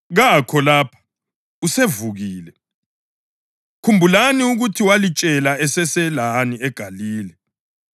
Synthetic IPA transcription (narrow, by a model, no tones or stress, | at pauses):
ɣakʰɔlaːpʰḁ | usevuɣiːlɛ | kʰumbʱulaniuɣutʰiwalit͡ʃʼɛlaɛsɛsɛlaniɛɡ̥ʱaliːlɛ